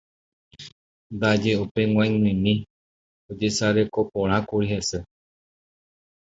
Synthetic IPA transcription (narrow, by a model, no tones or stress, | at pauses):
d̪ad͡ʒeupeŋwãŋĩmĩ | od͡ʒesaɾe̞kopõɾ̃ãkuɾiɦese